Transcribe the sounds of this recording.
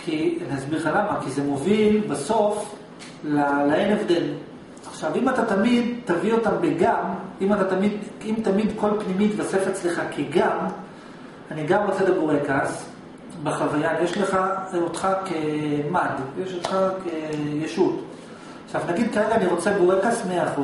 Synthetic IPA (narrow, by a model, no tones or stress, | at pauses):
kʰianazbiʁχalamakizemo̞vilbaso̞f | lalaenevd̪e̞l | aχʃavimatat̪amid̪tavio̞tambeɡamimat̪at̪amid̪imt̪amid̪ko̞lpnimit̪vasefelt͡sliχakʰiɡam | aniɡamʁo̞t͡selebuʁekas | beχavajajeʃleχaot̪χakemadvejeʃot̪χakejeʃut | aχʃavnaɡid̪kaʁeɡaaniʁo̞t͡sebuʁekasmeaχu